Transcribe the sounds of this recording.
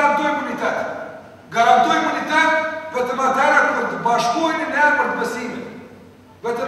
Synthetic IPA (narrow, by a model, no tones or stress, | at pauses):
ant̪ujimunit̪ɛt̪ | ɡaɾant̪ujimunit̪ɛt̪pɛt̪əmat̪ɛɾat̪pəɾt̪əbaʃkujt̪ənɛapəɾt̪əpəsiv | vɛt̪ə